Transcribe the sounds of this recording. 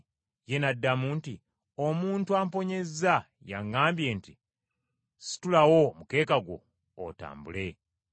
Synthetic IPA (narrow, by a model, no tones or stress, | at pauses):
je̞nadːamunti | o̞muːntuaːmpo̞ɲe̞za | ja̰ŋːaːmbje̞ːnti | si̥tulawo̞muke̞ːkaɡwo̰ː | ta̰ːmbṵle̞